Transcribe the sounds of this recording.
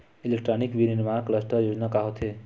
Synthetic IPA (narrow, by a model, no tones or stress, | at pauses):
ilek̚ʈɾanikʋiɾinmakləsʈəɾjod͡ʒnakaɦot̪ʰe